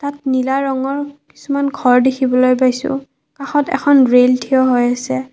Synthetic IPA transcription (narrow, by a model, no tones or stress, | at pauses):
tatnilaɹɔŋɔɹki̥sumanɡʱɔɹdekʰibɔlojpajsʊ̰̃ | kaxɔtɛ̰kʰɔnɹeltʰiɔɦojasɛ